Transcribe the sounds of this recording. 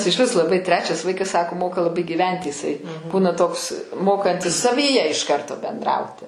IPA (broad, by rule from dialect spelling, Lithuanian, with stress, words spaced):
ɪʃʲˈʋʲɪs lˠɐˈbɐɪ ˈtʲrʲæːt͡ʃʲɛs ˈʋɐɪkɐs sɐkoː ˈmoːkɐ lˠɐˈbɐɪ ɡʲiːˈʋʲɛnʲtʲɪ jɪˈsɐɪ ˈbuːnɐ toːks ˈmoːkɐnʲtʲɪs sɐʋʲiːˈjɛ ɪʃ ˈkɐrtoː bʲɛnˈdrɐʊtʲɪ